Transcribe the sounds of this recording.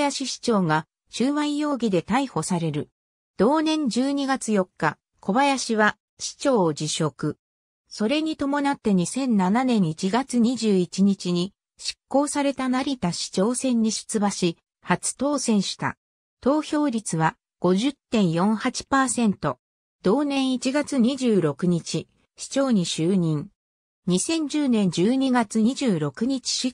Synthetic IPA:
jaɕiɕi̥t͡ɕo̞ːŋa | ɕɨːβãĩjo̞ːɡʲid̪e̞t̪aiho̞saɾe̞ɾɯ̟ | d̪̥o̞ːnẽ̞ɲ̟d͡ʑɨːɲ̟iɡat͡sɨjo̞kːa | kʰo̞bajaɕiβa | ɕi̥t͡ɕo̞ːd͡ʑiɕo̞kɯ̟ | so̞ɾe̞ɲ̟it̪o̞mo̞nat̪ːe̞ɲ̟isẽ̞nnananẽ̞ɰ̃it͡ɕiɡat͡sɨɲ̟iʑɨːit͡ɕiɲ̟it͡ɕiɲ̟i | ɕi̥kːo̞ːsaɾe̞t̪anaɾʲit̪aɕi̥t͡ɕo̞ːsẽ̞ɲ̟ːiɕɨ̥t͡sɨbaɕi | hat͡sɨ̥t̪o̞ːsẽ̞ɰ̃ɕi̥t̪a̰ | t̪o̞ːçʲo̞ːɾʲit͡sɨβa | ɡ̥o̞ʑɨt̪ːẽ̞ɰ̃jõ̞ɰ̃hat͡ɕi̥paːsẽ̞nt̪o̞ | d̪̥o̞ːnẽ̞ɰ̃it͡ɕiɡat͡sɨɲ̟iʑɨːɾo̞kɯ̟ɲ̟it͡ɕi | ɕi̥t͡ɕo̞ːɲ̟iɕɨːɲ̟ĩŋ | ɲisẽ̞ɲ̟d͡ʑɨːnẽ̞ɲ̟d͡ʑɨːɲ̟iɡat͡sɨɲiʑɨːɾo̞kɯ̟ɲ̟it͡ɕi̥

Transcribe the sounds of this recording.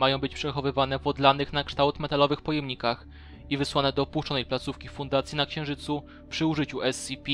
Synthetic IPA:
majɔ̃w̃bɘt͡ɕpʂɛxɔvɘvanɛvɔd̪lanɘxnakʂt̪awt̪mɛt̪alɔvɘxpɔjɛmɲikax | ivɘswanɛd̪ɔːpuʂt͡ʂɔnɛjplat̪sufkʲifund̪at̪sjinakɕɛ̃w̃ʐɘt̪su | pʂɘuʐɘt͡ɕuɛsipʲi

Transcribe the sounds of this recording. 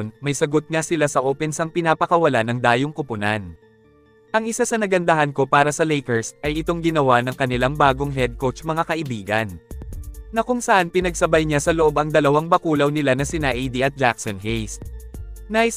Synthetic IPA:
nmɐjsɐɡot̪̚ŋasɪlasɐʔoːpɛnsɐŋpɪnaːpɐkɐwɐlanɐŋd̪aːjoŋkʊpʊna̰n | ʔɐŋʔɪsasɐnɐɡɐnd̪ɐɦɐnko̞paːɾɐsɐlɛjkɛɹsʔɐjʔɪt̪o̞ŋɡɪnɐwanɐŋkɐnɪlaŋbaːɡo̞ŋɦɛd̪̚kot͡ʃmɐŋakɐʔɪbiːɡɐn | nɐkʊŋsɐʔanpɪnɐɡ̚sɐbajɲasɐloʔo̞bɐŋd̪ɐlɐwaŋbɐkuːlɐwnɪlanɐsɪnaʔid̪iʔɐt̪̚d͡ʒaksonɦejs | naʔɪ

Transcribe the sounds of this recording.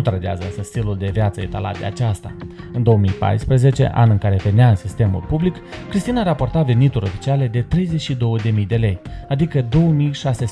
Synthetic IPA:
ut̪ɾəd̪ea̰zəɨnsəst̪iluld̪e̞vjat̪səet̪a̰la̰t̪̚d̪e̞̰a̰t͡ʃast̪a̰ɨnd̪o̞omijpa̰jspɾəze̞t͡ʃe̞̰ʔa̰nɨŋkaɾe̞ve̞neaɨnsist̪e̞mṵlpublikkɾist̪inaɾapo̞rt̪ave̞nit̪uɾʲo̞fi̥t͡ʃiale̞d̪e̞t̪ɾe̞jzet͡ʃʲʃid̪o̞wəd̪e̞mijd̪e̞le̞jad̪ikəd̪o̞wəmijʃases

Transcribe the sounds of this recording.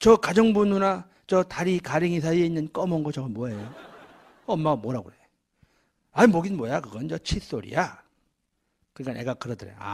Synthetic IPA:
t͡ɕʌkad͡ʑʌŋbununa | t͡ɕʌtaɾikaɾiŋis̬ʰaie̞inːɯnk͈ʌmʌŋɡʌt͡ɕʌmamwʌjejo | ʌmːaɡamwʌɾaɡoɾe | aɲimoɡinmwʌjakɯɡʌnt͡ɕʌt͡ɕʰis͈oɾḭja | kɯɲik͈anʔḛɡakɯɾʌdɯɾḛa̰

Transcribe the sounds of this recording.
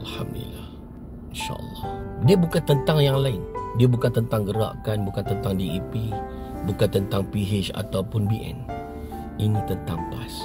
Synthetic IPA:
ʔalħa̰md̪ṵlḭlah | inʃa̰ʔə̰lːɑhdiabukant̪ənt̪aŋjaŋlaɪndiabukant̪ənt̪aŋɡəɾa̰ʔkanbukant̪ənt̪aŋdiipibukant̪ənt̪aŋpiɦet͡ʃa̰t̪awpʊnbiʔɛ̰n | ʔinit̪ənt̪aŋpas

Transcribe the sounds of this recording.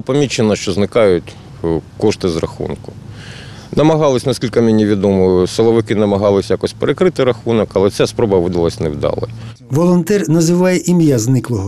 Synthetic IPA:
pɐmʲit͡ʃːenɐʃt͡ʃɔznɪkɑjʊtʲ | kɔʃt̪ɪzrɐ̰xṵnkʊ̥ | nɐmɐɦɑlˠɪsʲnɐskʲilʲkɐmʲenʲiʋʲid̪ɔmɔjʊselˠɔʋɪkɪnɐmɐɦɑlˠɪsʲjakɔsʲpeɾekɾɪt̪ɪɾɐxunɔkɐlˠɛsʲɛspɾɔbɐʋɪd̪ɐlˠɐsʲnewd̪ɑ̰lˠɪ̰ | ʋɔlˠɔnt̪ɛrnɐzɪʋɑjɛʔimjaznɪklˠɔɦɔ

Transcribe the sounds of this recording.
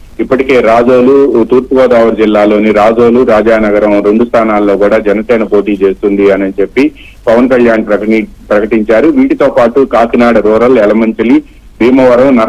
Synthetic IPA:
ipːɐʈike̞ːɾaːd͡ʒoːlut̪uːɾpuɡɔːd̪aːʋɐɾd͡ʒilːaːlo̞ːniɾaːd͡ʒoːluɾaːd͡ʒaːnɐɡɐɾɐmɾe̞ɳɖust̪ʰaːnaːlːo̞ːkuːɽaːd͡ʒɐnɐsɛːnɐpo̞ːʈiːt͡ʃe̞ːst̪und̪iɐnɐt͡ʃe̞pːi | pɐʋɐnkɐljaːnpɐ | pɾɐkɐʈiɲt͡ʃaːɾuʋiːʈit̪o̞ːpaːʈukaːkinaːɽɐɾuːɾɐlɛlɐmɐɲt͡ʃɐli | bʱiːmɐʋɐɾɐmnɐ

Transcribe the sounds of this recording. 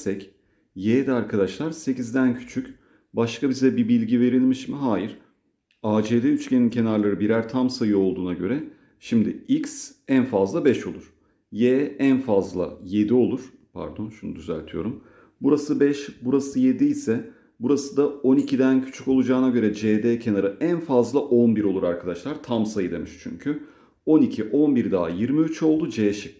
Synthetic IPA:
sɛc | jeːd̪ɛaɾkʰad̪aʃlˠaɾse̞cizd̪æncʰy̥t͡ʃʰyc | baʃkʰabizɛbibilʲɟive̞ɾilʲmiʃmiɦaːjiɾ̥ | aːd͡ʒeːd̪ɛyt͡ʃcʲe̞nincʰe̞naɾlˠaɾɯbiɾæɾt̪ʰamsajɯo̞lˠd̪uːnaɟø̞ɾɛ | ʃimd̪ɪicsænfazlˠabɛʃo̞lˠuɾ̥ | jeːænfazlˠa̰je̞d̪io̞lˠuɾ̥ | pʰæ̰ɾd̪o̞nʃunṵd̪yzæ̰ɾt̪ʰijo̞ɾum | buɾasɯbɛʃbuɾasɯje̞d̪ijsɛ | buɾasɯd̪ao̞nicʰid̪æncʰy̥t͡ʃʰyko̞lˠud͡ʒaːnaɟø̞ɾɛd͡ʒeːd̪ɛːcʰe̞naɾɯʔænfazlˠaʔo̞nbiɾo̞lˠuɾaɾkʰad̪aʃlˠaɾt̪ʰamsajɯd̪e̞miʃt͡ʃʰy̰ɲcʰy | o̞nicʰiʔo̞nbiɾd̪aːjiɾmiyt͡ʃo̞lˠd̪ud͡ʒeːʃi

